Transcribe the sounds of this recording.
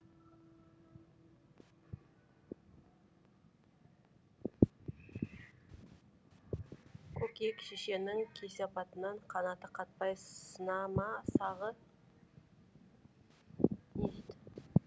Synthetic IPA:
kʰɵkekʃeʃe̞nɪŋkʲʰe̞seɑpɑt̪ənɑɴqʰɑnɑt̪əqʰɑt̪̚pɑj̪ənɑmɑsɑʁə | neʒed̪ɪ

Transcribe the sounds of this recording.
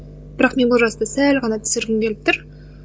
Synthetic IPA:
b̥ɪɾɑqme̞nbʊlˠʒɑst̪ɑsælʁɑnɑt̪ʰʏ̥sɪɾɡʲɪmkʲʰeɪp̚t̪ʊɾ

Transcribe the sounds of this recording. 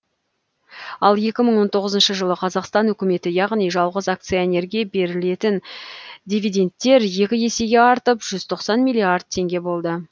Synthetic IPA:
ɑlˠje̞kʲɪməɴwo̞nt̪ʰo̞ʁəzənʃəʒəlˠəqʰɑzɑqst̪ɑnɵkʲɪme̞t̪ɪjɑʁnijʒɑlˠʁəzak̚t̪sɨjonʲe̞ɾɡʲebe̞ɾɪle̞t̪ɪnd̪ʲivʲid̪ʲe̞nt̪ːe̞ɾje̞kʲɪje̞se̞ɡʲe̞ɑɾt̪əpʒ̥ʏz̥t̪ʰo̞qsɑnmijlʲˠiard̪̚t̪ʰe̞ŋɡʲe̞bo̞lˠd̪ə

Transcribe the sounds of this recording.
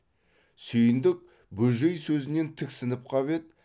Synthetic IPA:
sʏjɪnd̪ɪk̚ | bɵʒejsɵzɪne̞nt̪ʰɪksɪnɪp̚qʰɑβe̞t̪

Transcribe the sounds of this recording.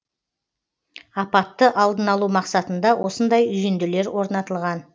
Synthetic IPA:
ɑpɑt̪ːəʔɑlˠd̪ənɑlˠumɑqsɑt̪ənd̪ɑwʔo̞sənd̪ɑjʏjend̪ɪle̞ɾwo̞ɾnɑt̪əlˠʁɑn

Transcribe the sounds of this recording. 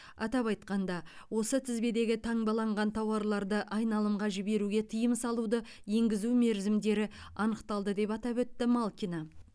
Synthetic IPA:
ɑ̰t̪ɑpɑjt̪qɑnd̪ɑ | wo̞sət̪ʰɪzbe̞d̪e̞ɡʲɪt̪ʰɑɴbɑlˠɑɴʁɑnt̪ʰɑwɑɾlˠɑɾd̪əʔɑjnɑlˠəmʁɑʒɪbe̞ɾuɡʲe̞t̪ʰəjəmsɑlˠud̪ə | je̞ŋɡʲɪzume̞ɾzɪmd̪e̞ɾɪɑnəqt̪ɑlˠd̪əd̪e̞pɑt̪ɑpwɵt̪ːɪmɑlˠkʲina

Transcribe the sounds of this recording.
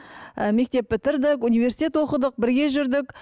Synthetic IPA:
əme̞k̚t̪e̞p̚bɪt̪ɪɾd̪ɪkunive̞ɾsi̥t̪ʲet̪wo̞qəd̪əq̚bɪɾɡʲe̞ʒʏɾd̪ɪk

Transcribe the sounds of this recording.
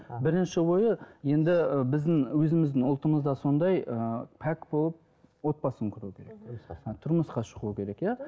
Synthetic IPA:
bɪɾɪnʃɪwo̞jəje̞nd̪ɪbɪzd̪ɪŋwɵzɪmɪzd̪ɪŋʊlˠt̪əməzd̪ɑso̞nd̪ɑjəpʰækbo̞lˠəp̚ | wo̞t̪̚bɑsəŋkʲʰʏɾukʲʰe̞ɾe̞k̚t̪ʰʊɾməsqɑʃəʁuəkʲʰe̞ɾe̞kjæ

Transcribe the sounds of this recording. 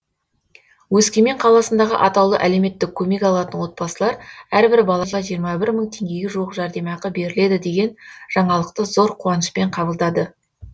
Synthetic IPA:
wɵskʲemeɴqʰɑlˠɑsənd̪ɑʁə̰ʔɑt̪ɑwlˠəʔæle̞wme̞t̪ːɪkʲʰːɵme̞kʲɑlˠɑt̪ənwo̞t̪̚pɑsəlˠɑɾæɾbɪɾbɑlˠɑʁɑʒijəɾmɑbɪɾməɴt̪ʰe̞ŋɡʲe̞ɡʲeʒuwəqʒɑɾd̪e̞mɑqəbe̞ɾɪle̞d̪ɪd̪e̞ɡʲe̞nʒ̥ɑɴɑlˠəqt̪əzo̞ɾqʰuɑnəʃpe̞ɴqʰɑbəlˠd̪ɑd̪ə

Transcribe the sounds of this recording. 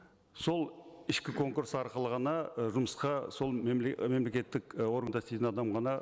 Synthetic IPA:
so̞lˠɪʃkʲɪkʰo̞ŋkuɾsɑɾqəlˠəʁɑnɑʒʊməsqɑso̞lˠmme̞mle̞kʲe̞t̪ːɪko̞ɾənd̪ɑst̪et̪ɪnɑd̪ɑmʁɑnɑ

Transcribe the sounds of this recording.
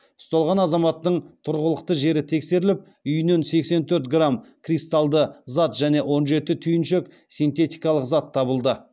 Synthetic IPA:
ʊst̪ɑlˠʁɑnɑzɑmɑt̪ːəɴt̪ʰʊɾʁəlˠəqt̪əʒe̞ɾɪt̪ʰe̞kse̞ɾɪlɪp̚ | ʏjne̞nse̞kse̞nt̪ʰɵɾt̪ɡramkʰrijst̪alˠd̪əzat̪ʒæne̞ʔwo̞nʒe̞t̪ɪt̪ʰʏjɪnʃe̞k | sijnt̪e̞t̪ijkɑlˠəqzat̪ʰːɑbəlˠd̪ə

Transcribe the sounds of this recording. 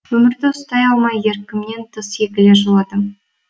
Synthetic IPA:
wɵmɪɾd̪ɪʊst̪ɑjɑlˠmɑje̞ɾkʲɪmne̞nt̪ʰəsje̞kʲɪleʒolˠɑd̪əm

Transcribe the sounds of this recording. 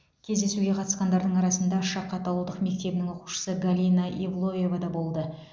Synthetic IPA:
kʲʰe̞zd̪e̞suɡʲe̞qʰɑt̪ə̥sqɑnd̪ɑɾd̪əɴɑɾɑsənd̪ɑʃɑqʰːɑt̪ɑwəlˠd̪əqme̞k̚t̪e̞bɪnɪŋwo̞qu̥ʃə̥səɡalʲinaʔivlˠo̞je̞vad̪ɑbo̞lˠd̪ə

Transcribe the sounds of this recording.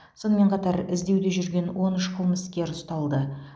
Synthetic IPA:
so̞nəme̞ɴqʰɑt̪ɑɾɪzd̪e̞wd̪e̞ʒʏɾɡʲe̞nwo̞nʏʃqʰəlˠməskʲe̞ɾʊst̪ɑlˠd̪ə

